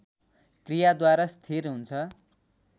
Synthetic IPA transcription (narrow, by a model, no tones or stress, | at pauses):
krijad̪waɾast̪ʰerɦunt͡sʰʌ